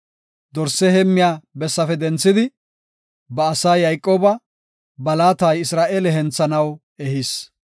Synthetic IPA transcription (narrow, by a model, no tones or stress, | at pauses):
d̪ɔɾsːɛhɛmːɪjaːbɛsːɐfɛd̪ɛnt͡sːɪd̪ɪ | bɐːsaːjɐjkʼːo̞ːbɐ | bɐlaːt̪ajɪsɾaːʔeːlɛɦɛnt͡sːɐnɐw | ɛhɪs